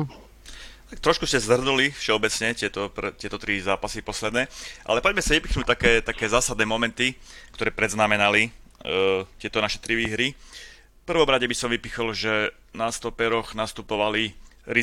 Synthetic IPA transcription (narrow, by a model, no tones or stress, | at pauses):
t̪ak̚t̪ɾɔʃkuscɛzr̩nulifʃɛɔbɛt͡sɲɛtɪɛt̪ɔpɾt̪ɪɛt̪ɔt̪ɾizaːpasipɔslɛd̪nɛːʔa̰lɛpɔɟmɛsaʋipixnuːc̚t̪akɛːt̪akɛːzaːsad̪nɛːmɔmɛnt̪ikt̪ɔɾɛːpɾɛd̪znamɛnali | c̪ɪɛt̪ɔnaʃɛ̥t̪ɾiʋiːɦɾi | fpr̩ʋɔmɾaɟɛbisɔmʋipixɔlʒɛ | nast̪ɔpɛɾɔɣnast̪upɔʋali | ɾi